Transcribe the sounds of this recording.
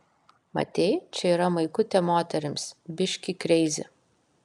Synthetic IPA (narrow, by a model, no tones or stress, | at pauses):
mɐ̰t̪ʲeɪt͡ʃʲɛiːɾɐmɐɪkʊt̪ʲɛmoːt̪ʲɛɾʲɪmsbʲɪʃʲkʲikɾʲɛɪzʲɪ̰